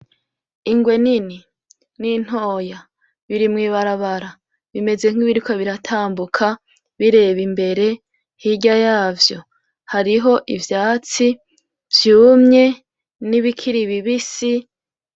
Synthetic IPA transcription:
iŋɡwe̞nini | nin̥o̞ːja | βiɾimŋiːβaɾaβaɾa | βime̞ze̞ŋ̥iβiɾikaβiɾatʰaːmbukʰa | βiɾe̞βimbe̞ɾe̞ | hiɟajaːvjo̞ | haɾiɦo̞ʔivjaːt͡si | vjuːmɲe̞ | niβikʰiɾiβiβisi

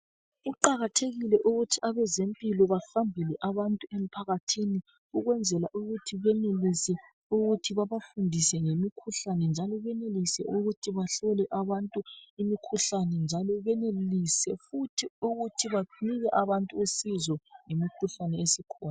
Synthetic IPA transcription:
ɣuǃaɣatʰeɣilɛʔuɣutʰiaβɛzempʼilɔβaɬambʱɛlɛʔaβantʼuem̩pʰaɣatʰini | uɣwɛnd͡zʱɛlaʔuɣutʰiβɛnelisɛ | uɣutʰiβaβafundʱisɛŋemikʰuɬanɛnd͡ʒʱalɔβɛnelisɛ̰ʔuɣutʰiβaɬɔlɛʔaβantʼuimikʰuɬanɛnd͡ʒʱalɔβɛnelisɛfutʰiuɣutʰiβaniɣɛʔaβantʼuosizɔŋemikʰuɬanɛesikʰɔːna

